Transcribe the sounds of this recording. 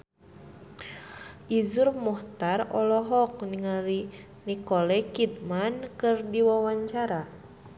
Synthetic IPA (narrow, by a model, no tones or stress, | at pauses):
ʔizurmɔht̪arɔlɔɦɔk̚niŋali | nikɔlɛkid̪̚mankɨrdiwawaɲt͡ʃaɾa